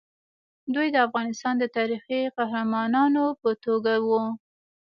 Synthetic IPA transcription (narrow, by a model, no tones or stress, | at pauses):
d̪ujd̪əafɣɑnɪst̪ɑnd̪ət̪ɑɾixiqahɾamɑnɑnopət̪oɡawu